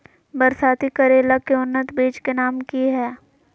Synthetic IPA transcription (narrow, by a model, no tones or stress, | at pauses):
bɐɾsaːt̪ikɐɾeːlakeʊnːət̪beːd͡ʒkenaːmkiɦɛː